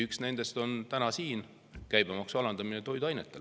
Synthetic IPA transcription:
yksne̞nd̪e̞st̪o̞nt̪ænɑsiːn | kæjb̥emɑksuɑlɑnd̪ɑminet̪o̞jd̪̥ɑjnet̪ˑːe̞l

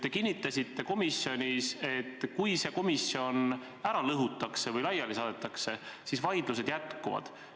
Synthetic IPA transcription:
t̪e̞kinʲːit̪ːˑɑsʲit̪ːe̞ko̞misjo̞nʲise̞t̪ːkujse̞ko̞misːjo̞n | æɾɑlɤɦut̪ːˑɑkse̞vɤjlɑjɑlisɑːd̪et̪ːˑɑkse̞sisvɑjd̪̥luse̞d̪jæt̪ˑkuvɑ̰d̪̥

